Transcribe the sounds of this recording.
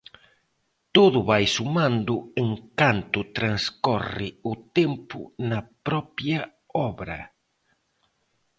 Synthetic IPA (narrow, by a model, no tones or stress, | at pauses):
t̪oðʊβajsumãnd̪ʊeŋkant̪ʊt̪ɾanskɔrɪʊt̪empʊ̰nɐpɾɔpjɐ | ɔβɾɐ̰